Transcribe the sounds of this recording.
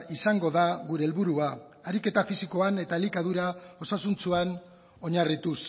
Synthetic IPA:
isaŋɡo̞ðaɣuɾe̞ːlβuɾua | aɾike̞t̪afisiko̞ane̞t̪aelikað̞uɾao̞sasunt͡suan | o̞ɲarit̪us

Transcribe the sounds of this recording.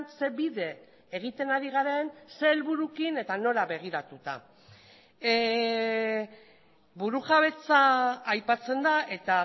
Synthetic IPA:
nse̞βiðe̞ː | ɣ̞it̪e̞naɾiɣaɾe̞nse̞lβuɾukine̞t̪ano̞ɾaβe̞ɣ̞iɾat̪ut̪a̰ | buɾuɣaβ̞e̞t͡saːjpat͡se̞nd̪aʔe̞t̪a

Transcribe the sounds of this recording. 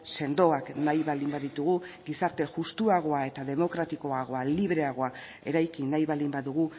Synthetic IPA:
se̞nd̪o̞aknajβald̪imbaðit̪uɣ̞uɡisaɾt̪e̞ʝust̪uaɣ̞o̞ae̞t̪aðe̞mo̞kɾat̪iko̞aɣ̞o̞aliβ̞ɾe̞aɣ̞o̞a | e̞ɾajkinajβald̪imbaðuɣ̞u

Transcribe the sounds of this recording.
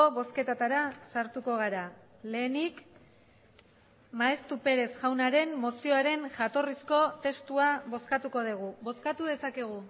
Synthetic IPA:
oβo̞ske̞t̪at̪aɾasaɾt̪uko̞ɣ̞aɾa | le̞ːnik | maest̪upe̞ɾe̞sʝawnaɾe̞mːo̞sio̞aɾe̞nʝat̪o̞risko̞t̪e̞st̪uaβo̞skat̪uko̞ð̞iɣ̞uβo̞skat̪uð̞e̞sake̞ɣ̞u

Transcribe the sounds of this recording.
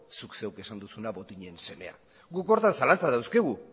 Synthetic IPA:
sukse̞wke̞sand̪usunaβo̞t̪iɲe̞nse̞me̞̰a̰ | ɡuko̞ɾt̪ansalant͡saðawskeɣ̞u

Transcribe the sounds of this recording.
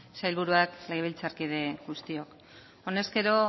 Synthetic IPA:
sajlβ̞uɾuakleɣeβ̞ilt͡saɾkið̞e̞ɣust̪io̞k | o̞ne̞ske̞ɾo̞

